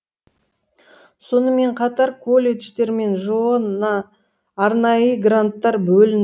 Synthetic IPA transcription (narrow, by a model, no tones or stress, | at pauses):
so̞nəme̞ɴqʰɑt̪ɑɾkʰo̞lʲe̞ʃt̪e̞ɾme̞nʒonɑː | ɾnɑjəɡrant̪ːɑɾbɵlɪn